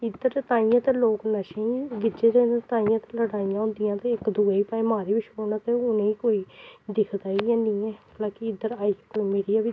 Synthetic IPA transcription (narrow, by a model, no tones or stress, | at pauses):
ɪd̪əɾt̪aːijãːt̪eːloːknəʃẽʋɪd͡ʒeːɾent̪aːijãːt̪eləɽaːijãːõːnd̪ɪjãːt̪eɪkd̪uːeːiːpaːeːmaːɾeːʋɪt͡ʃʰoːnat̪eʊnẽːiːkoːiːd̪ɪkʰd̪aːijãːnĩːɛːlaːkɪɪd̪əɾaːikoːimeːɽijaːʋi